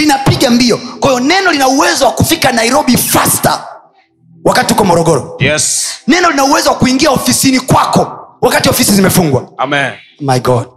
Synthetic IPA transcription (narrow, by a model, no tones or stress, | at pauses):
linapiɠambiɔkwaijɔnɛnɔlinauwɛzɔwakufikanaiɾɔɓifasta̰ | wakatiukɔmɔɾɔɡɔɾɔjɛsnɛnɔlinauwɛzɔwakuiŋɡiaɔfisinikwakɔwakatiɔfisizimɛfuŋɡwamɛɔmajɡɔd